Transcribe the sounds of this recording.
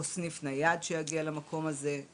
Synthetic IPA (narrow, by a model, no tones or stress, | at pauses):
osnifnajad̪ʃejaɡialamakʰo̞maze̞